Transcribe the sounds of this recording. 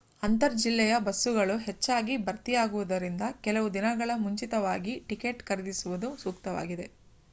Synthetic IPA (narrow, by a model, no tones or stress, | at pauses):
ɐnt̪ɐɾd͡ʒilːɛjɐbɐsːuɡɐɭuɦet͡ʃːaːɡibɐɾt̪ijaːɡuʋud̪ɐɾind̪ɐkɛlɐʋud̪inɐɡɐɭɐmuɲt͡ʃit̪ɐʋaːɡiʈikeːʈkɐɾed̪isuʋud̪usuːkt̪ɐʋa̰ːɡid̪e̞